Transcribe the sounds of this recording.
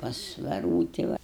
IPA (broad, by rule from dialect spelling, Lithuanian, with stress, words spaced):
pɐs ʋʲɛˈruːtʲɪ ʋɐ